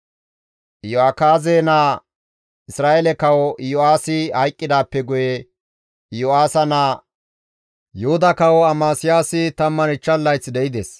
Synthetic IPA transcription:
joaːkaːzeːnaː | ɪsɾaːʔɛlɛkɐwɔjoaːsɪhɐjkʼːɪd̪aːpːɛɡʊjɛ | joaːsɐnaː | jʊhʊd̪ɐkɐwɔɐmaːsɪjaːsɪt̪ɐmːɐnɪt͡ʃːɐlːɐjt͡sːd̪ɛʔɪd̪es

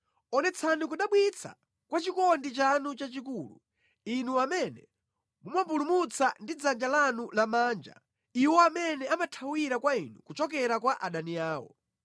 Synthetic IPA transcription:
ɔnɛt͡sʰanikuɗaɓwit͡sʰa̰ | kwat͡ʃikɔndit͡ʃanut͡ʃat͡ʃikuːlṵ | inuamɛnɛ | mumampulumut͡sandid͡zand͡ʒalanulamaːnd͡ʒa̰ | iwɔamɛnɛamatʰawiɾakwainṵkut͡ʃɔkɛɾakwaʔaɗaniaːwɔ̰

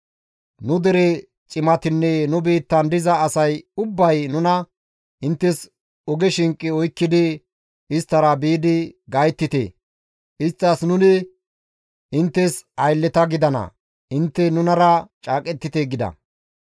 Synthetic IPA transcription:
nʊd̪ɛɾɛ | t͡ʃʼɪmɐt̪ɪnːɛnʊbiːt̪ːɐnd̪ɪzɐːsɐjʊbːɐjnʊnɐ | ʔɪnt̪ːɛs | ɔɡɛʃɪŋkʼːɪɔjkːɪd̪ɪ | ɪst̪ːɐɾɐbiːd̪ɪɡɐjt̪ːɪt̪ḛ | ʔɪst̪ːɐsnʊnɪ | ɪnt̪ːɛsɐjlːɛt̪ɐɡɪd̪ɐnɐ̰ | ɪnt̪ːɛnʊnɐɾɐt͡ʃʼaːkʼɛt̪ːɪt̪eɡɪd̪ɐ̰

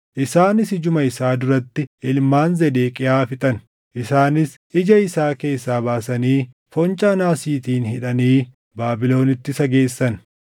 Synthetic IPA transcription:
ʔɪsaːnɪsɪd͡ʒʊmɐɪsaːd̪ʊɾɐt̪ːɪɪlmaːnzɛd̪eːkʼɪaːfɪt̪ʼɐn | ʔɪsaːnɪs | ɪd͡ʒɐɪsaːke̞ːsːaːbaːsɐniː | fɔnt͡ʃʼaːnaːsiːt̪iːnhɪᶑɐniː | baːbɪlo̞ːnɪt̪ːɪsɐɡeːsːɐn

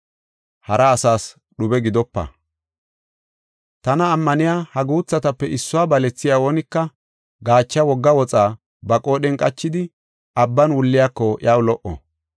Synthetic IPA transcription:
hɐɾɐːsaːs | ɗʊbɛɡɪd̪ɔpːɐ̰ | t̪ɐnɐːmːɐnɪjaːhɐɡuːt͡sːɐt̪ɐpːɛʔɪsːʊwaːbɐlɛt͡sːɪjawonɪkːɐ | ɡaːt͡ʃːɐwɔɡːɐwɔt͡sʼaː | bɐkʼoːɗɛnkʼɐt͡ʃːɪd̪ɪ | ʔɐbːɐnwʊlːɪjakːɔj̰awlɔʔɔ̰

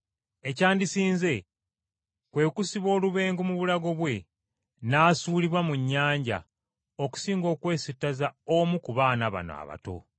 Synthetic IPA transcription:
e̞caːndisiːnze̞ | kwe̞ːkusiβo̞ːluβe̞ːŋɡomuβulaɡo̞βwe̞ | naːsuːliβwamuɲːaːɲɟa̰ | oku̥siːŋɡo̞ːkwe̞ːsitːazaomukuβaːnaβa̰no̰a̰βa̰to̞̰

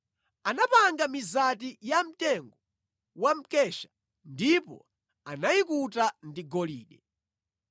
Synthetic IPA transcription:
anapaŋɡamizatijam̩tɛŋɡɔ | wam̩kɛʃḁ | ndipɔ̰ | anajikutandiɡɔlḭːɗɛ

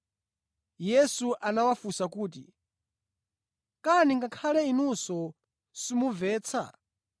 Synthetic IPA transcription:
jɛsuʔanawafusakuːt̬i | kaniŋɡakʰalɛinusɔ | simuvɛːt͡sʰa̰

